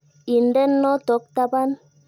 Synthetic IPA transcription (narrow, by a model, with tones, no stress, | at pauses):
i˨n̩˦dɛ˦nːɔ˦tɔ˨˦k̚ta˦ba˦n